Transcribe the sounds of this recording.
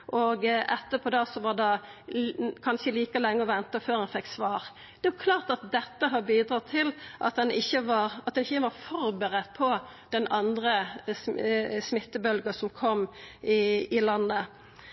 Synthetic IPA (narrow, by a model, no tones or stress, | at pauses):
ʔoːɡɛt̪ːəpʰɔd̪ɑsɔʋɑd̪ɑ | kʰɑnʃəliːkəlɛŋːəɔʋɛnt̪əføːɾɛnfɛkːsʋɑːʁ | d̪̥ɛʋɑkʰlɑːʁt̪ɑt̪̚d̪ɛt̪ːəɦɑɾbiːd̪ɾɑːt̪ʰɪlʔɑ̰t̪̚d̪ɛnɪçːəʋɑɾɑt̪d̪ɛnɪçəʋɑɾfɔɾbəʁɛt̪̚ːpʰɔ | d̪̥ɛnɑnd̪ɾə | smɪt̪ːəbœlɡəsɔmkʰɔmːɪɪlɑnːə